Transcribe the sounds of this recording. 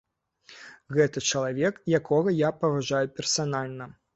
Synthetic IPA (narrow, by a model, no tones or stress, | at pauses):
ɣɛt̪ɐt͡ʂɐlˠavʲɛkjakʰɔɣɐjapɐvaʐajupʲɛrsanalʲnɐ